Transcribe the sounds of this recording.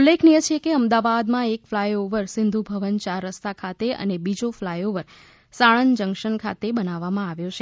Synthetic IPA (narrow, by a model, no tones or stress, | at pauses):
ulːekʰnijət͡ʃʰekeəmd̪aʋad̪mãekflajoʋəɾsɪnd̪ʱubʱəʋənt͡ʃaɾːəst̪akʰat̪eə̰nebid͡ʒoflajoʋəɾ | saɭənd͡ʒəŋkʃənkʰa̰t̪ebənaʋːamãaʋjõt͡ʃʰe